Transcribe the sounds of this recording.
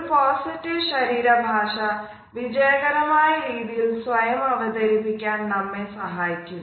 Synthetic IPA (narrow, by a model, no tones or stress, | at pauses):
poːsitːiʋɕɐɾiːɾɐbʱaːʂɐ | ʋid͡ʑɐjɐɣɐɾɐmaːjɐɾiːðijilsʋɐjɐmɐʋɐd̪ɐɾipːikʲːaːnnɐmːesɐɦaːjikʲːum